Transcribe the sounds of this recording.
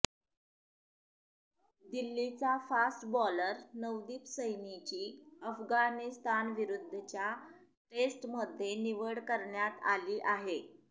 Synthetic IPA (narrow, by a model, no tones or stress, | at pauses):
d̪ilːit͡safasʈbɔləɾnəʋd̪iːpsəjnit͡ɕiːəfɡanist̪anʋiɾud̪ʱːət͡ɕja | ʈesʈməd̪ʱːjeniʋəɽkəɾɳjat̪a̰liːʔaɦe